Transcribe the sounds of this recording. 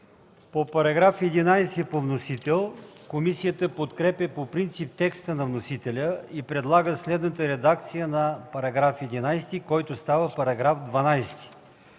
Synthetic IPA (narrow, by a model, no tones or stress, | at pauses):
popɐɾɐɡɾafɛd̪inajsɛpovnosit̪ɛlˠkomisijət̪əpot̪kɾɛpʲəpopɾint̪sip̚t̪ɛkst̪ənɐvnosit̪ɛlʲəipɾɛd̪lˠaɡəslɛd̪nət̪əɾɛd̪ak̚t̪sijənɐpɐɾɐɡɾafɛd̪inajst̪ikɔjt̪ʊst̪avəpɐɾɐɡɾafd̪vɐnajst̪i̥